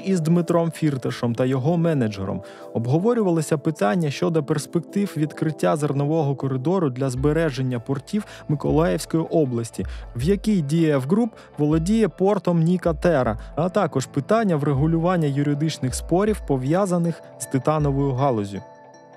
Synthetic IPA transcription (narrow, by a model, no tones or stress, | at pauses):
izd̪mɪt̪ɾɔmfʲirt̪ɐʃɔmt̪ɐjɔɦɔmɛnɐd͡ʒɛ̰ɾɔ̰m | ɔbɦɔʋɔɾʲʊʋɐlˠɪsʲɐpɪt̪ɑnʲːɐʃt͡ʃɔd̪ɔperspek̚t̪ɪwʋʲid̪kɾɪtʲːazɐrnɔʋɔɦɔkɔɾɪd̪ɔɾʊd̪lʲɐzbeɾɛʒenʲːɐpɔrtʲiw | mɪkɔlˠajɛwsʲkɔjiʔɔblˠɐsʲtʲiwjɐkʲijdʲijɐjɛwɦɾup | ʋɔlˠɔdʲijɛpɔrt̪ɔmnʲikɐt̪ɛɾɐ̰ɐt̪ɑkɔʒpɪt̪ɑnʲːɐwɾeɦʊlʲʊʋɑnʲːɐjʊɾʲɪd̪ɪt͡ʃnɪxspɔɾʲiwpɔʋjazɐnɪx | zt̪ɪt̪ɑnɔʋɔjʊɦɑlˠɔzʲjʊ